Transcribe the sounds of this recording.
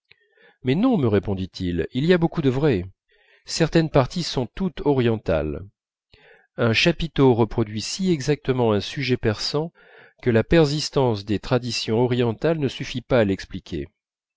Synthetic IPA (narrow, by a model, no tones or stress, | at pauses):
mɛnɔ̃məʁepɔ̃d̪it̪ʰililiabokud̪əvʁɛ | sɛʁt̪ɛnpaʁt̪ʰisɔ̃t̪ut̪ɔʁjɑ̃t̪a̰l | ɛ̃ʃapit̪oʁəpχɔd̪ɥisiɛɡzak̚t̪əmɑ̃ɛ̃syʒɛpɛʁsɑ̃ | kəlapɛʁzist̪ɑ̃sd̪et̪χad̪isjɔ̃ɔʁijɑ̃t̪alnəsyfipaːlɛksplikʲʰḛ